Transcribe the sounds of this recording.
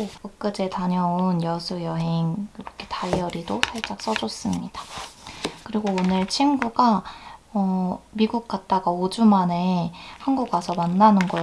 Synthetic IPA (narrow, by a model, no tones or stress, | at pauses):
opɯk̚k͈ɯd͡ʑe̞taɲʌonjʌsʰujʌɦe̞ŋiɾʌkʰe̞tajʌɾidosʰaɭt͡ɕ͈ak̚s͈ʌd͡ʑʌs͈ɯmɲid̥a | kɯɾiɡoːnɯɭt͡ɕʰinɡuɡaʌmiɡuk̚k͈at̚t͈aɡaod͡ʑumane̞hanɡuɡasʰʌmanːanɯnɡʌ